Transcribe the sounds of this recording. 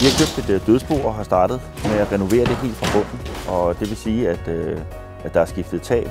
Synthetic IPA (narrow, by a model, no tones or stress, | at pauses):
ʋihɑ̈kʰøb̥d̥e̝d̥d̥øð̞ˠsb̥o̝ːɒ̽ɦɑ̈sd̥ɑ̈ːd̥ð̩ˠmeæʁɛno̝ʋe̝̰ːɐd̥e̝ɦe̝̰ːld̥fʁɑ̈b̥ɔ̽n̰n̩ˠʔɒ̽d̥e̝ʋe̝siːæd̥ø | æd̥ɑ̈æɐsɡ̥ifd̥ð̞̩ˠt͡sʰɛ̰ːl